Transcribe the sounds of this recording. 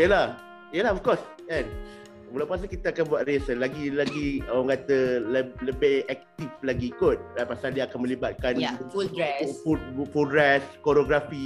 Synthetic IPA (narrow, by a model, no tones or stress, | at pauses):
jəlah | ijəlahɔfkɔs | ɛn | wulapuas̬əkit̪əakanbwat̪̚resənlaɡilaɡiaŋkat̪əlləbɪhɛk̚t̪iflaɡiːkʊt̪̚apasaldiakanmə̃libat̪̚kan | puufudɾɛskoɾoɡɾafi